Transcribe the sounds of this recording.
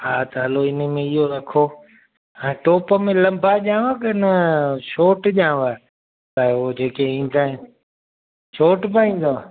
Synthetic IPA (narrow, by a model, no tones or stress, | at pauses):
ɦaːt̪ɐɦɐloɪnəmẽɪɦoɾɐkʰo | ɛ̃ːʈoːpə̆mẽlɐ̃mbʱaʄãːʋakɐɪnəʃoːʈʄãːʋaː | taɦod͡ʑeːkeĩːn̆d̪aːɦɪn | ʃoːʈpaːĩːn̆d̪oaː